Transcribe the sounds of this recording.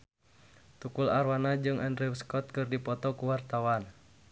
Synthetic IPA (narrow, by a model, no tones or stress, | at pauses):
t̪ukularwanad͡ʒɨŋʔɛndriwskɔt̪̚kɨrdipɔt̪ɔkuwart̪awan